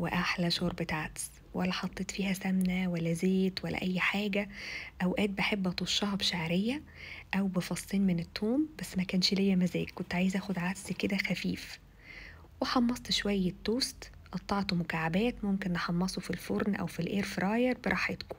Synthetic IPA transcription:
wḛʔaħlæʃoːɾˤbet̪aʕʕt̪s | wʔælːæħɑt̪ˤːeːt̪ˤfiːhæsæmnæwælːæzeːt̪wælːæ̰ʔæjːħaːɡæʔæwʔæːt̪̚beħebːʔɑt̪ˤuʃːɑhɑbʃaʕɾejːæ | ʔæwbefɑsˤːiːnmenet̪ːoːmbæsːmækæːnʃlejːæmæzæ̰ːkkːont̪ʕaːjezʔæːxod̪ʕad̪sked̪æxæfiːf | weħɑmːɑsˤt̪ʃwæjːæt̪ːoːst̪ | ʔɑt̪ˤːɑʕt̪omʊkaʕabæːt̪momkenːeħɑmːɑsˤofilfoɾnʔæ̰wfilʔeːɾfɾˤɑːjeɾˤbeɾˤɑħet̪ko̥

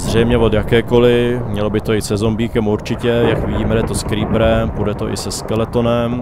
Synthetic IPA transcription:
zr̝ɛjmɲɛvod̪jakɛːko̞lɪmɲɛlobɪt̪o̞ɪsɛzombiːkɛmuɾt͡ʃɪcɛjakvɪɟiːmɛdɛt̪oskɾiːpɾɛmpudɛt̪oʔɪ̰sɛskɛlɛt̪onɛm

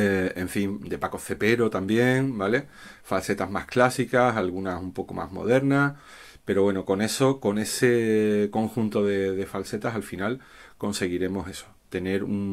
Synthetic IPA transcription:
eeɱfimd̪e̞pako̞θe̞pe̞ɾo̞t̪ambje̞ŋbale̞ | false̞t̪azma̰sklasikasalɣunasumpo̞ko̞̰mʔa̰zmo̞̰ðe̞ɾnas | pe̞ɾo̞βwe̞noko̞ne̞so̞ko̞ne̞seko̞ŋxunt̪o̞ðe̞ðe̞false̞t̪asalfinal | ko̞nse̞ɣiɾe̞mo̞se̞so̞̥t̪e̞ne̞ɾuŋ

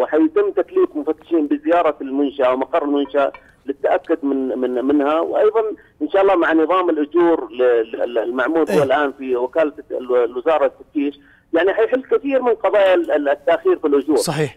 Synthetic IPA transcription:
wɪħajt̪ɪmːt̪ak̪liːqmʊfat̪ːɪ̥ʃiːnbɪzɪjɑːɾˤɑlmʊnʃaʔwmɑqɑrˤɾˤɪlmʊnʃaʔa | lɪt̪ːaʔakːʊd̪mɪnɪnmɪnhawʔɑjðˤɑn | ʔɪnʃaːʔɑlˤːɑːmaʕanɨðˤɑːmɪlʔʊd͡ʒuːɾllmaʕmuːɾhʊwalʔaːnfiwɪkaːlalwɪzɑːɾˤɑt̪ːaft̪iːʃ | jaʕniħajħɪlːkɪθiːɾmɪnlqɑðˤɑːjat̪ːaʔxiːɾfilʔʊd͡ʒuːɾsˤɑħiːħ

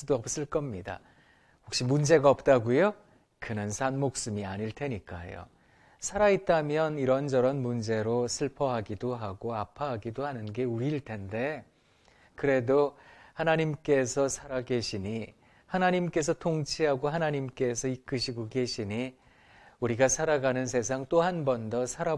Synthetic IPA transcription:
udoʌp̚s͈ɯɭk͈ʌmɲida̰ | hokɕ͈imund͡ʑe̞ɡaʌp̚t͈aɡujo | kɯnɯnsʰanmok̚s͈ɯmiaɲiɭtʰe̞ɲik͈a̰jo̰ | sʰaɾait̚t͈amjʌniɾʌnd͡ʑʌɾʌnmund͡ʑe̞ɾosʰɯɭpʰʌɦaɡidoɦaɡoapʰaɦaɡidohanɯnɡe̞uɾiːɭtʰe̞nde̞ | kɯɾe̞dohanaɲimk͈e̞sʰʌsʰaɾaɡe̞ɕʰiɲi | hanaɲimk͈e̞s̬ʰʌtʰoŋt͡ɕʰiɦaɡoɦanaɲimk͈e̞sʰʌik͈ɯɕʰiɡoɡe̞ɕʰiɲi | uɾiɡasʰaɾaɡanɯns̬ʰe̞s̬ʰaŋt͈ohanbʌndʌsʰaɾa

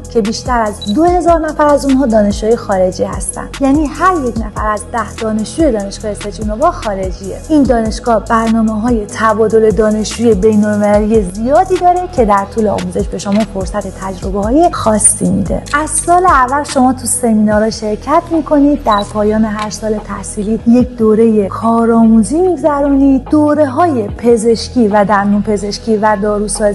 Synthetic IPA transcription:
cʰe̞biːʃt̪æɾæzd̪ohe̞zɒːɾnæfæɾæzunhɒːd̪ɒːne̞ʃuːjexɒːɾe̞d͡ʒiːhæ̰st̪æ̰nd̪̥jæːniːhæɾje̞cnæfæɾæzd̪æhd̪̥ɒːne̞ʃd͡ʒuːje̞d̪ɒːne̞ʃɡ̥ɒːhjese̞d͡ʒʰunobɒːxɒːɾe̞d͡ʒiḛʔiːnd̪ɒːne̞ʃɡ̥ɒːhb̥æɾnɒːmeɦɒːje̞t̪ʰæbɒːd̪o̞le̞d̪ɒːne̞ʃd͡ʒuːje̞be̞jnolme̞lælije̞zijɒːd̪iːd̪ɒːɾe̞cʰe̞d̪æɾt̪ʰuːleɒ̰muze̞ʃbe̞ʃomɒːfo̞ɾsæt̪ʰe̞t̪ʰæd͡ʒɾo̞behɒːje̞xɒːsːimḭd̪e̞̰ʔæz̥sɒːleævːælʃo̞mɒːt̪ʰuse̞miːnɒːɾɒːʃe̞ɾcʰæt̪ʰmiːkʰo̞nid̪̚ːæɾpʰɒːjɒːne̞ɦæɾsɒːle̞t̪ʰæhsiːliːje̞cʰd̪oːɾe̞je̞kʰɒːɾɒːmuziːmiɡzæɾuːnid̪̥oːɾe̞ɦɒːje̞pʰe̞ze̞ʃcʰʲiːvæd̪æɾnuːpʰe̞ze̞ʃcʰiːvæd̪ɒːɾuːsɒː

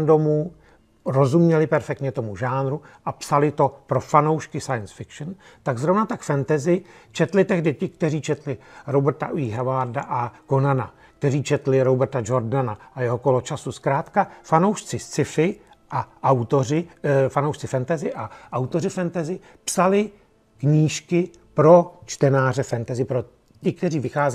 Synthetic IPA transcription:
mdo̞muː | ɾo̞zumɲɛlɪpɛɾfɛk̚t̪ɲɛt̪o̞muʒaːnɾuʔapsalɪt̪o̞pɾo̞fano̞wʃkɪsajənsfɪkʃn | t̪aɡzɾo̞vnat̪akfɛnt̪ɛzɪt͡ʃɛt̪lɪt̪ɛɣdɪcɪk̚t̪ɛriːt͡ʃɛt̪lɪɾobɛɾt̪a̰ʔiɦɛvaɾdaʔako̞nana̰ | k̚t̪ɛɾiːt͡ʃɛt̪lɪɾobɛɾt̪ad͡ʒo̞ɾdanaʔajɛɦo̞ko̞lo̞t͡ʃasuskɾaːt̪kafanowʃt͡sɪst͡sɪfɪ | ʔaʔawt̪orɪfanowʃt͡sɪfɛnt̪ɛzɪʔaʔawt̪o̞rɪfɛnt̪ɛzɪ | psalɪ | kɲiːʃkɪ | pɾo̞t͡ʃt̪ɛnaːr̝ɛfɛnt̪ɛzɪpɾo | cɪk̚t̪ɛriːvɪxaːzɛ

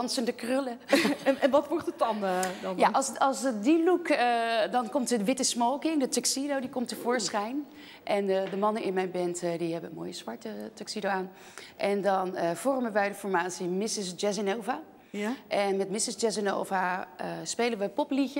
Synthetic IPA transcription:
ɑnsəndəkrʏlənɛnʋɑtʋɔɹtətɑndnjaɑsɑlˠsdilukədɑnkɔmtəʋɪtəsmowkɪŋdətɔksidowdikɔmtəvʊːɹsχɛjn | ʔɛnədəmɑnəɪnmɛjnbɛntdiɦɛbənmo̰ːjəsʋɑɹtətɔksidowaːn | ʔɛndɑnəv̥ɔrməʋɛjdəfɔɹmaːtsimɪsɪsd͡ʒɛs̬ɪnowva | ʔɛnmɛtmɪsɪsd͡ʒɛsɪno̰wvaəspejlənʋəpɔpliçə

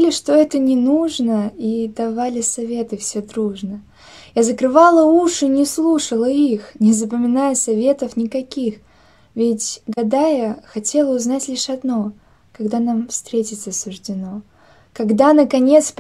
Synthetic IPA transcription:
lʲɪʂt̪o̞ɛt̪ənʲɪnuʐnəid̪ɐvalʲɪsɐvʲe̞t̪ɨfsʲed̪ɾuʐnə | jazəkɾɨvalˠəuʂɨnʲɪslˠuʂəlˠəixnʲɪzəpəmʲɪnajəsɐvʲe̞t̪əfnʲɪkɐkʲix | vʲɪtʲɡɐd̪ajəxɐtʲe̞lˠəʊznatʲlʲiʂɐd̪no̞ | kɐɡd̪anamfst̪ɾʲetʲɪt̪sɐsʊʐdʲɪno̞ | kɐɡd̪anəkɐnʲe̞t̪sp

